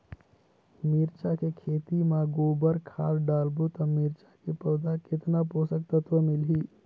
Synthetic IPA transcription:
miɾt͡ʃakekʰeːt̪imãɡoːbəɾkʰaːɾɖaːlbot̪ɔmiɾt͡ʃakepəwd̪ʱakɪt̪naposəkt̪ət̪ʋəmɪlɦiː

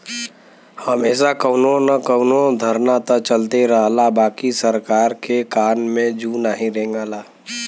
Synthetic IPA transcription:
həmeːs̬akəʊnonəkəʊnod̪ʱəɾnat̪ət͡ʃəlt̪eɾəɦlabaːkisəɾkaːɾkekaːnmẽd͡ʒuːnaːɦĩɾẽːŋɡalaː

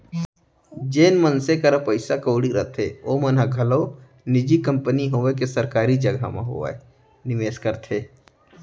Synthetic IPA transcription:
d͡ʒeːnmənsekəɾəpəɪsakəːɽiɾə̰t̪ʰeomənɦəɡʱəlo | nɪd͡ʒikə̃mpəniɦoʋekesəɾkaːɾid͡ʒəɡʱa̰mḛ̃ɦo̰ʋḛ | nɪʋeːskəɾt̪ʰeː

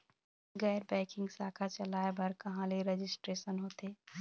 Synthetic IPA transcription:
ɡɛːɾbɛ̃ːkɪ̃ŋɡsaːkʰat͡ʃɐlaːebɐɾkɐɦãleɾed͡ʒɪsʈɾeːʃənɦoːt̪eː

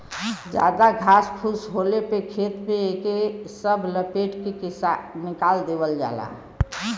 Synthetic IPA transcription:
d͡ʒa̰d̪aɡʱaskʰusɦolepekʰet̪mpeekesəbʱləpeʈkekisanikald̪ebəld͡ʒa̰la̰

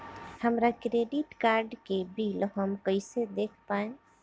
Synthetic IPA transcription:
həmɾakɾeɖiʈkaɾɖkebilɦəmkəjsed̪ekʰpae

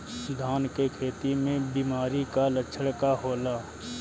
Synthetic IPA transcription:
sʊd̪ʱaːnkekʰeːt̪imẽbiːmaːɾikalət͡ʃʰəɽkaɦoːlaː

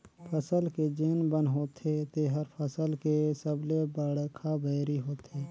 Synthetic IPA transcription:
pʰəsəlked͡ʒeːnbənɦoːt̪ʰet̪eɦəɾpʰəsəlkesəblebəɽəkʰabəːɾiɦoːt̪eː

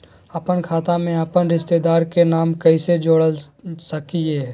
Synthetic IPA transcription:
ɐpənkʰaːt̪amẽɐpənɾɪʃt̪ed̪aːɾkenaːmkɐised͡ʒoːɽəlsɐkie

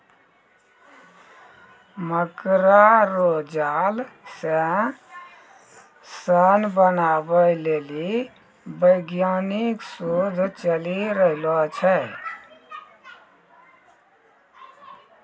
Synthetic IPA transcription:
məkɾaɾod͡ʒalsə | sənbənabəleli | bəjɡjaniksod̪ʱt͡ʃəliɾəɦilɔt͡ʃʰɛ

